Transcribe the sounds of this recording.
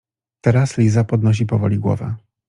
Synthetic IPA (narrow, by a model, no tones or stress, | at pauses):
t̪ɛɾaslʲizapɔd̪nɔɕ̬ipɔvɔ̰lʲiɡwɔ̰vɛ̰